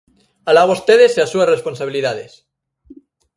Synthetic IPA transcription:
alaβost̪eðeseasuaresponsaβiliðaðes

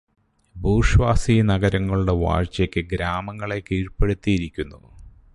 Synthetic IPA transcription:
bʱuːʂʋaːsijnɐɡɐɾɐŋːɐɭuɽe̞ʋa̰ːrt͡ɕɐkʲːɨɡɾaːmɐŋːɐɭe̞kiːɻpe̞ɽut̪ːijiɾikʲːunːu

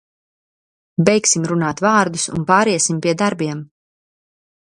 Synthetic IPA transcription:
bɛjksimɾunaːt̪vaːɾd̪usṵnpaːɾɛɛsimpʲiɛd̪aɾbiɛm

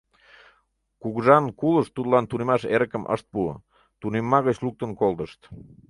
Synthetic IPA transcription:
kuɣʒɑnkuləʃt̪ud̪lɑnt̪unemɑʃeɾəkəmʔə̰ʃt̪̚puə̰ | t̪unemːɑɣət͡ɕluk̚t̪ənkolˠd̪əʃt̪

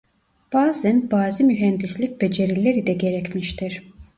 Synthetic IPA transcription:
b̥aːzænbaːzimyɦænd̪islʲic̚ʲbe̞d͡ʒe̞ɾilʲeɾid̪ɛɟe̞ɾɛcmiʃt̪ʰiɾ̥

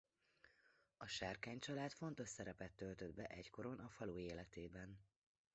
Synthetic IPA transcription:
ɒʃaːrkaːɲt͡ʃɒlaːt̪fo̞nt̪o̞ʃsɛɾɛpɛt̪ːølt̪ød̪̚bɛʔɛcko̞ɾo̞nɒfɒloːeːlɛt̪eːbɛn

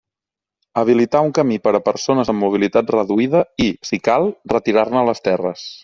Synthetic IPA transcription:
əβ̞ilit̪auŋkəmipəɾəpəɾsonəzəmːuβ̞ilit̪at̪rəðuiðəisikalˠrət̪iɾarnələst̪ɛrə̰s

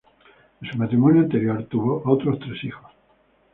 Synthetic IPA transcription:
ensumat̪ɾimonjoant̪eɾjoɾt̪uβoʔot̪ɾost̪ɾesixos

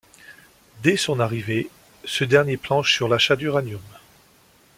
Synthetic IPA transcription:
d̪ɛsɔ̃naʁive | səd̪ɛʁnjeplɑ̃ʃsyʁlaʃad̪yʁanjɔm

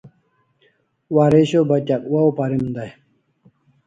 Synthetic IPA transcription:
waːɾeɕobɐt͡ɕɐkwaopɐɾimd̪ɐj

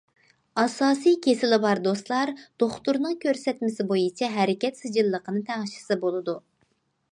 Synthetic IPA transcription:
ɑsɑːsijkʲʰesɪlɪbɑɾd̪ost̪lˠɑɾd̪̥oχt̪uɾnɨŋkʲʰøɾsɛt̪mɪsɪbojit͡ʃʰɛɦɛɾɪkʲɛt̪sɨd͡ʒilˠːəqʰənɨt̪ʰæŋɨʃɪ̥sɨbolˠɨd̪u

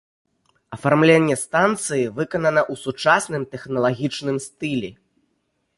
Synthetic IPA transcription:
ɐfarmlʲenʲːɛst̪ant̪sɨjivɨkɐnɐnɐʔusut͡ʂasnɨmt̪ɛxnɐlˠaɣʲit͡ʂnɨmst̪ɨlʲɛ

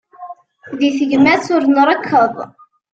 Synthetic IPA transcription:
ðiθəʝmæsʊɾnɾˤəkʰːəðˤ

